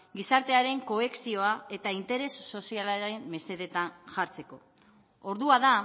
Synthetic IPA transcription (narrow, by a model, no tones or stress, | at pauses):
ɡisaɾt̪e̞aɾe̞ŋko̞e̞ksio̞ae̞t̪aint̪e̞ɾe̞sːo̞sialaɾemːe̞se̞ðe̞t̪anʝaɾt͡se̞ko̞̰ | oɾðuaða